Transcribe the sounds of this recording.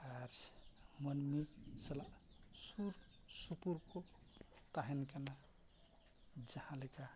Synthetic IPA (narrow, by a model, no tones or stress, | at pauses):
aɾsmənmisəlaʔ | suɾ | supuɾkot̪aɦinkana | d͡ʒəhãleka